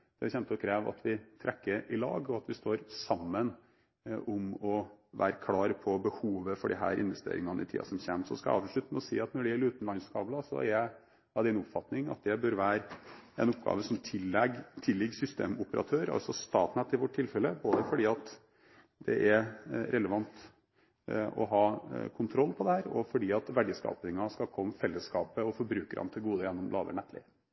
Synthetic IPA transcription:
d̪̥ɛçɛnt̪əɔkʰɾeːʋɑ̰t̪ʰʋɪt̪ʰɾʔɛkːəɾɪlɑ̰ːɡɔɑt̪ʋɪst̪oːɾsɑmːən | ʔʊmɔʋæ̰ːɾəkʰlɑːɾpʰɔbəhuːʋəfɔɖɪ̰ɦæ̰ːɾʔɪ̰nʋɛst̪ḛːɾɪŋɑnəɪ̰t̪ʰḭːɑ̰sɔmɕçḛːmsɔ̰skɑɑ̰ːʋʂɭʉt̪ːəmɛɔsḭːɑt̪nɔɖɪæɾʉːt̪n̩lɑnskɑːblɑsɔ̰ɛ̰ɾjæɪ | ɑd̪ɛɪnɔpfɑt̪nɪŋɑ̰t̪̚d̪ɛbœɾʋæːɾɛ̰nɔpɡɑ̰ːʋəsɔmt̪ʰɪlɛɡt̪ʰɪlːɪɡsʏst̪ḛːmʊpəɾʔɑ̰t̪ʰøːɾɑ̰lsɔst̪ɑ̰ːt̪næt̪ːɪʋɔʈʰːɪlfɛlːəboːd̪əfɔɖiːɑt̪ | d̪̥ɛ̰ʔɛɾɾʔɛləʋɑnt̪ | ɔ̰ɦɑːkʰʊnt̪ʰɾɔlːpʰɔd̪ɛhæːɾɔ̰fɔɖiːɑt̪ʋæɖɪskɑ̰ːpnɪŋɑskɑlkʰɔmːfɛlːəskɑːpəɔfɔɾbɾʉːkəɾɑ̰nt̪ʰɪlɡuːd̪əjɛnːɔmlɑːʋə̰ɳɛt̪ʰlɪ̰

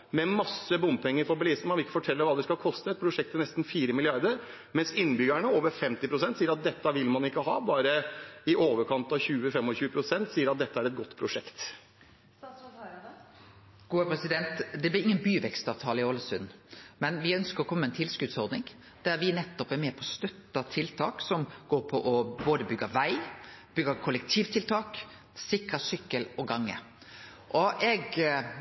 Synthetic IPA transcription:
mɛmɑsːəbʊnd̪pʰɛŋːəɾfɔɾbəliːsn̩mɑnʋɪɪkːə̥fɔʈʰɛlːəɾʋɑːd̪ɛskɑlkʰɔst̪əɛt̪̚pʰɾʊʂɛk̚t̪ʰːɛnɛst̪n̩fiːɾəmɪlɪɑɾd̪əɾ | mɛnsɪnːbʏɡæɳəoːʋəɾfɛmt̪ɪpʰɾʊsɛnt̪siːəɾɑt̪̚d̪ɛt̪ːəʋɪlmɑnɪkːəhɑːbɑːɾəɪʔoːʋəɾkʰɑnt̪ɑʋçʉːəfɛmɔɕʉːəpʰɾʊsɛnt̪siːəɾɑt̪̚d̪ɛt̪ːəæɾɛt̪̚ɡɔt̪ːpʰɾʊʂɛkt̪ | ɡ̥uːəpʰɾɛsɪd̪ɛnt̪d̪ɛblɪɪŋːənbyːʋɛkst̪ɑːʋt̪ʰɑːləɪoːləsʉd̪nmɛnʋɪœnskəɾɔkʰɔmːəɛnt̪ʰɪlskʉːt̪sɔɾd̪nɪŋ | d̪̥æɾʋɪnɛt̪ːɔpæɾmɛːpʰɔst̪œt̪ːɑt̪ʰɪlt̪ʰɑ̰ːksɔmɡ̥oːɾpʰɔʔɔboːd̪əbʏɡːəʋæɪb̥ʏɡəkʰʊlɛkt̪ʰiːʋt̪ʰɪlt̪ʰɑːk | sɪkɾɑsʏkːəlɔɡɑŋːə̰ | ʔɔʔɛɡ

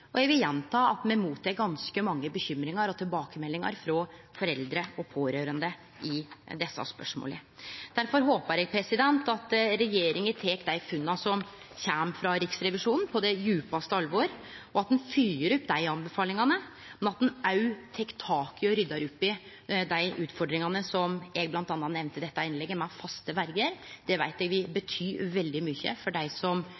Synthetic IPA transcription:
ɔjɛɡʋɪljɛnt̪ʰɑːɑt̪mɛmuːt̪ʰːɛːk̚ɡɑnskəmɑŋːəbəçʏmːɾɪŋɑɾɔt̪ʰɪlbɑːkəmɛlːɪŋɑ̰ɾfɾɔfɔɾɛld̪ɾəɔpʰoːɾøːɾənd̪ə | ɪd̪ɛsːɑ̰spœ̰ʂmo̰ːlə̰d̪̥æɾfɔɾɦoːpəɾɛɡ̚pʰɾɛsɪd̪ɛnt̪ɑt̪ɾɛjeːɾɪŋət̪ʰeːkd̪æɪfʉnːɑsɔm | çæːmfɾɑɾɪksɾɛʋɪʂuːnn̩pʰɔd̪ɛjʉːpɑst̪əɑlʋoɾɔɑt̪̚d̪ɛnfyːəɾɔpd̪æɪɑnbɛfɑːlɪŋɑnə | mɛnɑt̪̚d̪ɛnɑʉt̪ʰɛkːt̪ʰɑːkɪɔɾʏd̪ːɑɾɔpːɪ | d̪æɪʔʉːt̪fɔɖɾɪŋɑnəsɔmɛɡblɑnt̪ɑnːɑt̪nɛʋnt̪əd̪ɛt̪ːɑɪnlɛɡːəmɛfɑst̪əʋæɾɡəɾd̪̥ɛʋæɪt̪ɛɡʋɪbət̪ʰyːʋɛld̪ɪmʏçːə̰fɔɖæɪsɔm

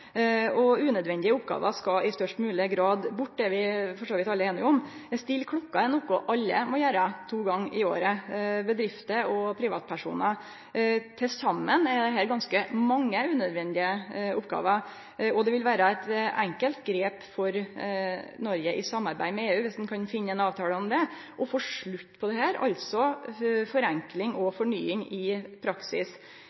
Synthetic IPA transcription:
ɔʉːnœd̪ʋɛnd̪ɪəʊpɡɑ̰ːʋə̰ʂkɑʔɪst̪œʂʈmʉːləɡɾɑːd̪bʊʈːd̪ɛʋɪfɔʂoːʋɪt̪ːɑləeːnɪʊmst̪ɪlkʰɽʊkːɑɛnɔkʊʔɑlːə̰mɔjæːɾət̪ʰuːɡɑŋːɪo̰ːɾəbəd̪ɾɪft̪əɾɔpʰɾɪʋɑːt̪̚pʰæʂṵːnə | t̪ʰɪlsɑmːənɛd̪ɛɦæːɾɡɑnskəmɑŋːəʉːnœd̪ʋɛnd̪ɪəʊpɡɑ̰ːʋə | ɔd̪ɛʋɪlʋæːɾəɛt̪æŋkəlt̪ɡɾeːpfɔɾ | nɔɾɡəʔɪsɑmːɑɾbæ̰ɪmɛeːʉːʋɪsd̪n̩kʰɑnfɪnːəɛnɑːʋt̪ʰɑːləɔmd̪ɛʔɔfoːʂɭʉt̪ːpʰɔd̪ɛhæːɾɑ̰lt̪sɔfɔɾæŋklɪŋʔɔfɔɳyːɪŋɪpʰɾɑksɪ̰s

